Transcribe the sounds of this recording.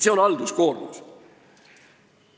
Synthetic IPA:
seonɑld̪̥iskoːɾmṵs

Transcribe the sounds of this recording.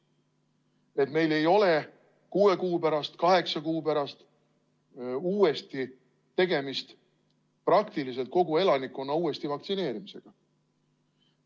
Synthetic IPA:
e̞t̪me̞jle̞jo̞le̞ | kuːe̞kuːpæɾɑst̪kɑɦe̞ksɑkuːpæɾɑst̪ | uːest̪i | t̪e̞ɡe̞mist̪ | prɑkt̪ilise̞lt̪̚ko̞ɡ̥ue̞lɑnikːˑonːɑuːe̞st̪ivɑk̚t̪sine̞ːɾimise̞ɡ̥ɑ

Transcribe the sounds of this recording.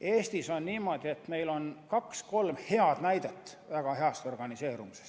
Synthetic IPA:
e̞ːst̪iso̞nniːmo̞d̪̥ie̞t̪me̞jlo̞nkɑksko̞lmhe̞ɑd̪̥næjd̪et̪ːˑvæɡ̥ɑhe̞ɑst̪o̞rɡ̥ɑnise̞ːɾumisest̪

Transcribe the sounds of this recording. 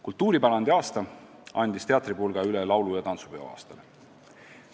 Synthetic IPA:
kult̪ːuːɾipɑɾɑnd̪eɑːst̪ɑ | ɑ̰nʲd̪̥ist̪e̞ɑt̪ɾipoːlɡ̥ɑylɛlɑwlujɑt̪ɑnsu̥peo̰ɑ̰ːst̪ɑle

